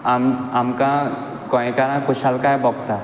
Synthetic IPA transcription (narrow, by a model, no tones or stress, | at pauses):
amamkã | kɔẽkaɾãkʊʃalkaebɔɡt̪a